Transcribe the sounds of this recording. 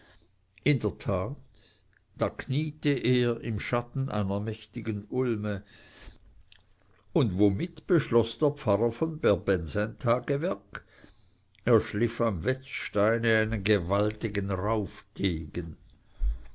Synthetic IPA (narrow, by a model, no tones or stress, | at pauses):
ʔɪndəɐtʰaːt | d̥aːkʰniːtəʔeːɐʔɪmʃatn̩ʔa̰ɪnɐmɛçtɪɡənʊlmə | ʊndvomɪtb̥əʃlɔsd̥eːɐpp͡faʁɐfɔnbɛɐbɛnzaɪntʰaːɡ̥əvɛɐk | eːɐʃlɪfamvɛt͡sʃtaɪnəaɪnənɡevaltɪɡənʁaʊfd̥eːɡ̥ən